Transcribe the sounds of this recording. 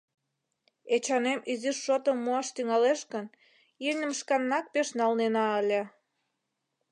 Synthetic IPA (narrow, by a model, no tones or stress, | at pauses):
et͡ɕɑnemiziʃːot̪əmːuɑʃt̪yŋɑleʃkən | inʲə̆mʃkɑnːɑk̚peʃnɑlnenɑəlʲe